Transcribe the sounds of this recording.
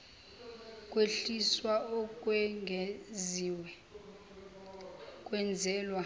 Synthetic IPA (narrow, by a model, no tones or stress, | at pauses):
kʼweɬiswaɔkʼwɛŋʱɛziːwɛ | kʼwɛnd͡zʱɛːlwa